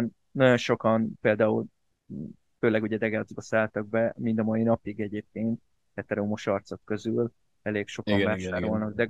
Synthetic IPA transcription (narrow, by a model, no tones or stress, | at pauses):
n | nɒɟo̞nʃo̞kɒnpeːld̪aːul | føːlɛɡuɟɛd̪ɛɡaːzbɒsaːlt̪ɒɡ̚bɛmind̪ɒmɒjinɒpiɡɛɟeːp̚keːnt̪̚ | hɛt̪ɛɾomoʃɒrt̪so̞kːø̞zyl | ɛleːkʃo̞kɒvaːʃaːɾolnɒɡd̪ɛ